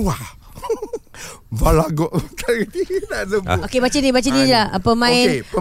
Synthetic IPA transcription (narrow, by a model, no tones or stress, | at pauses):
a | valaɡɔʔmt̪aitinaʔsəbokebat͡ʃinibat͡ʃinid͡ʒaəpəmãɪnpə